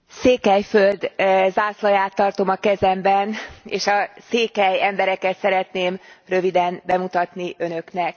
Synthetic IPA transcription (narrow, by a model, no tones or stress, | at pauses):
seːkɛjfø̞ld̪zaːslɒjaːt̪ːɒrt̪o̞mɒkɛzɛmbɛneːʃɒseːkɛjɛmbɛɾɛkɛt̪sɛɾɛt̪neːmrø̞vid̪ɛnbɛmut̪ɒt̪niʔø̞nø̞knɛk